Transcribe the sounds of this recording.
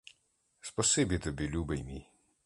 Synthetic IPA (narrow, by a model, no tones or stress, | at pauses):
spɔsebit̪ɔbʲilʲuːbɛjmi